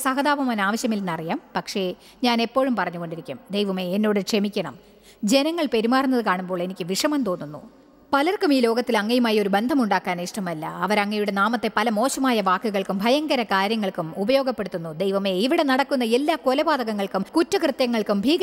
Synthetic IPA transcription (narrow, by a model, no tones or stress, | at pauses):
sɐɦɐðaːʋɐmaːnaːʋɐɕjɐmilnɐrijaːmpɐkʂe̞ | ɲaːne̞pːo̞ːɻumpɐrɐɲːuɣo̞ɳɖiɾikʲːumd̪ejʋɐme̞ːnːo̞ːɽɨkʂe̞mikʲːɐɳɐm | d͡ʑe̞nɐŋːɐɭpe̞ɾimaːrunːɐðɨkaːɳumboːɭe̞nikʲːɨʋiʂɐmɐmt̪o̞ːnːunːṵ | pɐlɐrkumiːlo̞ːɡɐt̪ːilɐŋːɐjumaːjo̞ɾube̞nd̪ʱɐmuɳɖaːkːaːniʂʈɐmɐlːɐ̰ɐʋɐɾɐŋːɐjuɽe̞naːmɐt̪ːe̞pɐlɐmo̞ːɕɐmaːjɐʋaːkːuɣɐɭkumbʱɐjɐŋɡɐɾɐkaːɾjɐŋːɐɭkumubɐjo̞ːɡɐpːe̞ɽut̪ːunːud̪ejʋɐme̞iʋiɽe̞nɐɽɐkːunːɐelːaːko̞lɐbaːd̪ɐɣɐŋːɐɭkumkutːɐkrɨt̪ːjɐŋːɐɭkumbʱiːɡɐ